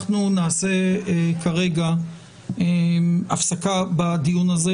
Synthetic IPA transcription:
χnunaːse̞kʰaʁe̞ɡa | eafsakabadijunaze

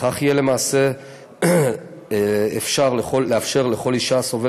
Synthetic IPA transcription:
χaχijele̞maːse̞ | efʃaʁleχolːeafʃe̞ʁleχo̞liʃaso̞ve

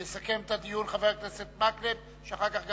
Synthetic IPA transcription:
esake̞mt̪ad̪ijunχaveʁkneset̪̚maklet̚ | ʃeaχaʁkaχɡ

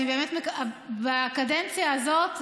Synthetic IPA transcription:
ibe̞ːmetmekbaːkadent͡sjaːzo̞t

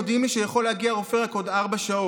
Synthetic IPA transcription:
d̪imliʃejaχo̞leaɡiaʁofeʁako̞d̪aʁbaʃao

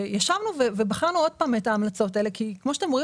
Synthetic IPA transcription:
jaʃavnuvevebaχaʁnuo̞d̥̚paːme̞taːmlat͡so̞taele̞kʰikmoʃat̪emoi

